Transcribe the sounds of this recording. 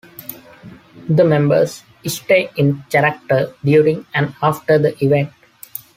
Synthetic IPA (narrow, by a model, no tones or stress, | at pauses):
d̪əmɛ̃mbə̰ɾs | ɪsʈeːɪ̃nkæɾək̚ʈəɾɖjuːɾɪ̃ŋæ̃ɳɖaːfʈəɾd̪əʔiʋẽɳʈ